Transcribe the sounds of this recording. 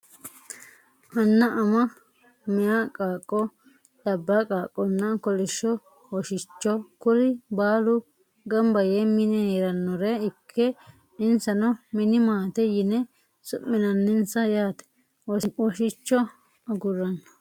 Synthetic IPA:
ʔɐnːɐʔɐmɐ | mɪjakʼaːkʼːɔ | d̪̥ɐbːakʼaːkʼːɔnːɐkɔlɪʃːɔ | wɔʃɪt͡ʃːɔkʊlɪbaːlʊ | ɡɐmbɐjɛmɪnɛɛɾɐnːɔɾɛɪkʰːɛ | ɪnsɐnɔmɪnɪmaːt̪ɛjɪnɛ | sʊʔːɪnɐnːɪnsɐjaːt̪ɛ̥ | wɔwɔʃɪt͡ʃːɔ | ɐɡʊɾɐn

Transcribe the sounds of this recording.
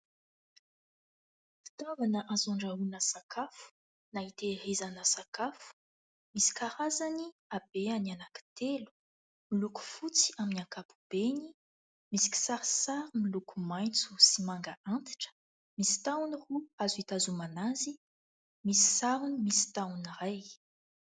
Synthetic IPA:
fi̥t̪avanəʔazaɳɖ͡ʐaɦunəsakʰafu̥ | nait̪eɾezanəsakafu̥ | misi̥kʰaɾazaniab̥eanianaki̥t̪elu̥ | miluku̥fut͡si̥aminiakapu̥b̥eni | misi̥kʲi̥saɾisaɾimilukumajnt͡su̥simaŋɡəʔant̪i̥ʈ͡ʂə̥ | misi̥t̪awuniruazuit̪azumanazi | misi̥saɾunimisi̥t̪awuniɾaj

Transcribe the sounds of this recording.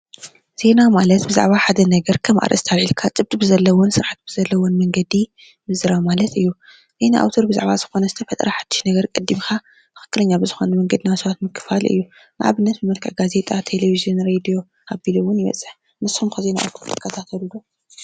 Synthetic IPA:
z̥e̞namalɐt̪bɨza̰ʕβaħad̪ɐnɐɡɐɾkʰɐmʔa̰ɾʔɐ̰st̪ʰaβʕilkʰat͡sʼɨb̚t̪ʼɨbɨzɐlːɐwonsɨɾħat̪̚b̥ɨzɐlːɐwonmɐŋɡɐd̪i | mɨzɨɾamalɐt̪ɨjːu | z̥e̞naʔa̰wt̪ʰo̞ɾbɨza̰ʕβazɨ̥xo̞nɐzɨt̪ʰɐfɐt̪ʼɾʔaħad̪̥ːɨ̥ʃnɐɡɐɾkʼɐd̪ːimxa | mɨ̥xɨ̥kːɨlɐɲːabɨzɨxo̞numɐŋɡɐd̪inawsɐβat̪mɨkʰːɨ̥falʔɨ̰jːu | nɨ̰ʕa̰βɨnːɐt̪bɨmɐlkʰʼɐ̰ʔɡaze̞t̪ʼat̪ʰe̞levizionɾed̪ijo̞ | abiluwʊnjɪβɐ̰t͡sʼɨħ | nɨsumkʰaze̞na̰ʔa̰wt̪ʰoɾt̪ʰɨ̥kʰːɐt̪ʰat̪ʰɐlulo

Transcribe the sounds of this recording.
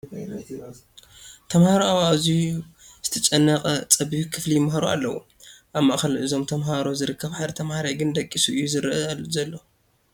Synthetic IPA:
t̪ʰɐmhaɾoawaʔzi | z̥ɨt̪ʰɐt͡ʃʼɐnːɐqʼɐt͡sʼɐbikʰɨflijmɦaɾua̰lːɐwṵ | ʔaβmːa̰ʔxɐlʔɨzo̞mt̪ʰɐmɦaɾo̞zɨɾɨkʰːɐβħaɾɐt̪ʰɐmhaɾajɡɨnd̪ɐkʼːisuʔɨjːuzɨɾɨʔɨzɐlːo̞

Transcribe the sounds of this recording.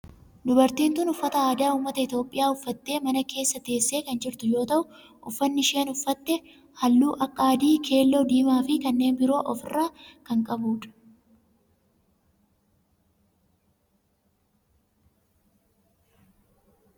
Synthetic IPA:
d̪ʊbɐɾt̪iːnt̪ʊnʊfːɐt̪ɐaːd̪aːuːmːɐt̪ɐɪt̪jo̞ːpʼːɪjaːʊfːɐt̪ːe̞ːmɐnɐke̞ːsːɐt̪e̞ːsːe̞ːkɐnd͡ʒɪɾt̪ʊjo̞ːt̪ɐʔʊ | ʔʊfːɐnːɪʃe̞ːnʊfːɐt̪ːɛ | hɐlːuːʔɐkʼːaːd̪iːkʰe̞ːlːoːd̪iːmaːfɪkɐnːe̞ːnbɪɾo̞ːʔɔfɪrːaːkɐŋkʼɐbuːᶑ̪ɐ̥

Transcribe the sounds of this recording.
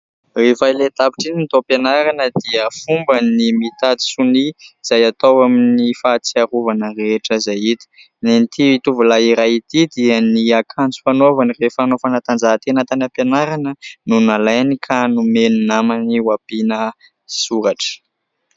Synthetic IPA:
refajlet̪api̥ʈ͡ʂinint̪openaɾanəd̪iəfumbənimit̪at̪i̥suniiz̥ajat̪owaminifat͡siaɾuvanəɾeʈ͡ʂəzajit̪ə̥ | nenit̪iit̪uvulaiɾajit̪id̪iəniakʰant͡su̥fanovanirefanofanat̪and͡zaɦt̪enat̪anəpenaɾanənunalajnikʰanumenunamaniwapinə | suɾaʈ͡ʂə̥

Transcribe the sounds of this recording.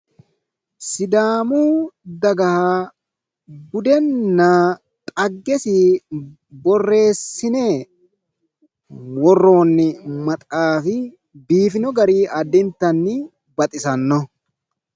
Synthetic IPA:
sɪd̪aːmuːd̪ɐɡɐhaː | bʊd̪ɛnːɐ | t̪ʼɐɡːɛsɪ | bɔrːe̞ːsːɪne | wɔrːo̞ːnːɪmɐt̪ʼaːfɪ | biːfɪnɔɡɐɾiːɐd̪ɪnt̪ːɐnːɪ | bɐt̪ʼɪsɐnːɔ

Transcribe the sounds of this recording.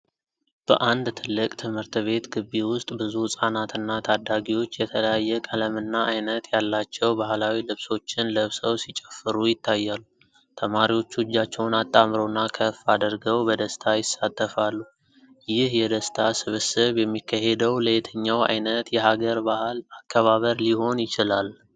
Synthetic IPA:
b̥ə̰ʔand̪t̪ʰɨlːɨkʼt̪ʰɨmhɨɾt̪βe̞t̪ɡɨβːiwʊst̪ʼbɨzusʼanat̪ɨnːat̪ʰad̪ːaɡiwo̞t͡ʃːjɛt̪ʰələjajːɛkʼələmɨnːaʔajnət̪jalːat͡ʃːɛwbahlawilɨβso̞t͡ʃːɪnləβsəwsit͡ʃʼɛfːɨɾujɪt̪ʰːajːalːu | t̪ʰəmaɾiwo̞t͡ʃːud͡ʒːat͡ʃːɛwnat̪ʼːamɾonːakʰəfad̪əɾɡəwbəd̪əst̪ʰajɪsat̪ʰʼːəfalːu | jɪhjɛd̪əst̪ʰasɨβɨsɨβjɛmːikʰːahe̞d̪əwləjt̪ʰəɲːawa̰jnət̪jɛɦaɡəɾbahalakʰːəβaβəɾliho̞njɪt͡ʃɪlal

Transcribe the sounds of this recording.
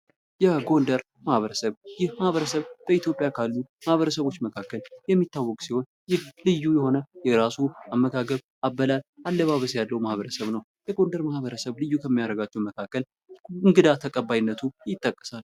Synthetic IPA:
jɛɡo̞nd̪əɾ | mahβəɾəsəβjɪhmahβəɾəsəβb̥əit̪jopʼjakʰalːumahβəɾəsəβo̞t͡ʃːməkʰakːəljɛmːit̪ːawːɔkʼsiho̞n | jɪhlɨjːujɛho̞nəjɛɾasuamːəɡaɡəβ | ʔabːəlalʔalːəβaβəsjalːəwmahβəɾəsəβnəw | jɛɡo̞nd̪əɾmahβəɾəsəβlɨjːukʰəmːijaɾəɡat͡ʃːɛwməkʰakːəl | ɨŋɡɨd̪at̪ʰəkʼəbːajnːət̪ʰujɪt̪ʼːəkʼːə̥sal

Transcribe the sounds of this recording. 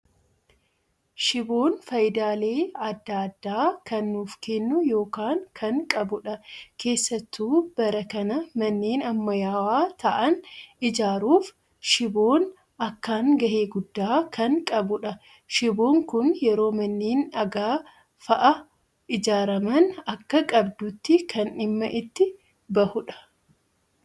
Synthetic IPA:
ʃɪbo̞ːnfɐjd̪aːle̞ːɐd̪ːaːɐd̪ːaːkɐnːuːfkɛnːʊjo̞ːkaːŋkʰɐŋkʼɐbʊᶑɐke̞ːsːɐt̪ːuːb̥ɐɾɐkɐnɐmɐnːeːnɐmːɐjaːwaːt̪ʰɐʔɐnɪd͡ʒaːɾuːf | ʃɪbo̞ːn | ʔɐkːaːŋɡɐheːɡʊd̪ːaːkɐŋkʼɐbʊᶑɐ | ʃɪbo̞ːŋkʊnjɛɾo̞ːmɐnːeːnɐɡaː | fɐʔɐ | ʔɪd͡ʒaːɾɐmɐnɐkːɐkʼɐbd̪ʊt̪ːɪkʰɐnɪmːɐʔɪt̪ːɪ | bɐhʊᶑɐ̥

